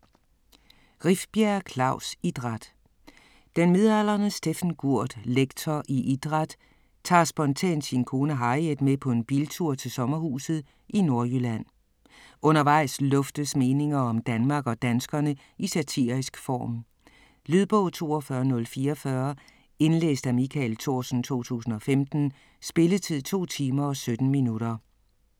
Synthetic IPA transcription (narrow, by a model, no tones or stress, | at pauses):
ʁifb̥jæɐkʰlɑ̈ʊsid̥ʁɑd̥ | d̥enmiðˠælɐnəsd̥efnɡ̥uɐ̰d̥leɡ̥t͡sʰɒʔiʔid̥ʁɑd̥ | t͡sʰɑ̰̈ːsb̥ɒ̽nt͡sʰɛ̰ːnd̥sinkʰo̝ːnəɦɑ̈ɪed̥mepʰɒ̽e̝nb̥ilt͡sʰuɐ̰t͡sʰe̝lsɒ̽mɐhṵːsð̩ˠ | ʔino̝ɐjølæn̰ | ʔɔ̽nɐʋɑ̈ɪ̰slɔ̽fd̥əsme̝ːne̝ŋɐɒ̽md̥ænmɑ̈ːɡ̥ɒ̽d̥ænsɡ̥ɐnə | isæt͡sʰḭɐisɡ̥fɒ̰ːm | liðˠb̥ɔ̽ʊt͡sʰo̝ːɒ̽fɶɐnɔ̽lfiːɒfɶɐ | e̝nlḛːsd̥æmikʰælt͡sʰo̝ɐsn̩t͡sʰo̝̰ːt͡sʰṵːsn̩ɒ̽femd̥n̩ | sb̥e̝lət͡sʰið̞̰ˠt͡sʰo̝̰ːt͡sʰiːmɐɒ̽sød̥n̩minuɾ̥ɐ